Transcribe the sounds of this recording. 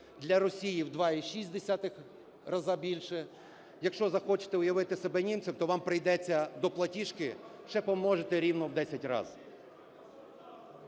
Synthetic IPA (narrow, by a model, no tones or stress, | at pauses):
d̪lʲɐɾɔsʲijiwd̪ʋɑiʃisʲd̪esʲat̪ɪx | rɐzɑbʲilʲʃɛ | jɐkʃt͡ʃɔzɐxɔt͡ʃɪ̥t̪ɛʊjɐʋɪt̪ɪsebɛnʲimtsʲɪwt̪ɔʋɑmpɾɪjd̪ɛt͡sʲːɐd̪ɔplˠɐtʲiʃkɪʃt͡ʃɛpɔmɔʒet̪ɛɾʲiwnɔwd̪ɛsʲɐtʲrɑ̰z̥